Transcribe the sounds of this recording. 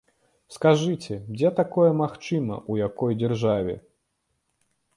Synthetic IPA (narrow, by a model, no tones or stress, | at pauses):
skaʐɨt͡sʲɛd͡zʲɛt̪akɔjɛmaxt͡ʂɨmɐ̰ʔujakɔjd͡zʲɛrʐavʲɛ̰